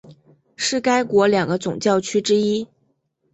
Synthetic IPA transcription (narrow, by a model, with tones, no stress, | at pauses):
ʂɻ̩˥˩ka˥ɪkwɔ˧˥ljɑ˨˩ŋɡə˦t͡sʊ˨˩ŋt͡ɕjɑ˥˩ʊt͡ɕʰy˥ʈ͡ʂɻ̩˥i˥